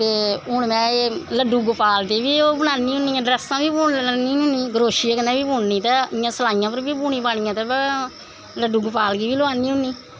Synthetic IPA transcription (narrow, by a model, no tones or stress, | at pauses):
t̪eːɦʊɳmɛ̃ːeləɖuːɡəpaːlt̪eːbiːoːbənaːnːĩːɦʊniːɛ̃ːɖɾɛːst̪ãːʋiːbuːɳanĩːɦʊniːɡəɾoːʃiːekənãːʋiːpuːɳnĩːt̪aːɪjãːsəlaːɪjãːpəɾbiːbuːɳĩːpaːɳɪjãːt̪aːbɛ | ləɖuːɡpaːlɡiːʋiːloaːniːɦʊnːiː